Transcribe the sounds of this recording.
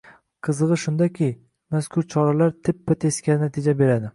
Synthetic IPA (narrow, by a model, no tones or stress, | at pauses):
qʰɨzɨʁɨʃʊnd̪akʲɪ | maskʰʊɾt͡ʃʰɒɾalaɾt̪ʰɪpːat̪ʰeskʲanɪnat̪ʰɪd͡ʒabe̞ɾad̪ɪ